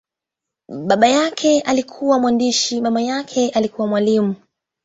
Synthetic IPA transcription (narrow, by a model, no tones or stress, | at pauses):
ɓaɓajakʰɛalikʰuwamwandiʃiɓaɓajakʰɛʔalikuwamwalimu